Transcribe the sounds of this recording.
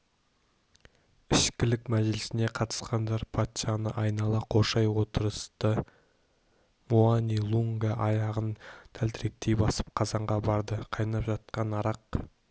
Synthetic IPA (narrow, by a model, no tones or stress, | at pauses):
ɪʃkʲɪlɪkmæʒɪlɪsɪne̞qʰɑt̪ə̥sqɑnd̪ɑɾpʰat̪ʃɑnə̰ʔɑjnɑlˠɑqʰo̞ʃɑjwo̞t̪əɾəst̪ə | muanilˠuŋɡaʔɑjɑʁənt̪ʰælt̪ʰɪɾe̞k̚t̪e̞jbɑsə̥p̚qʰɑzɑɴʁɑbɑɾd̪əqʰɑjnɑpʒɑt̪̚qɑnɑɾɑq